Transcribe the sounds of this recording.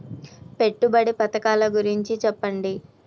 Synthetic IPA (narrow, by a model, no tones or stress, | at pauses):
pe̞ʈːubɐɽipɐt̪ɐkaːlɐɡuɾiɲt͡ʃit͡ʃɛpːɐɳɖi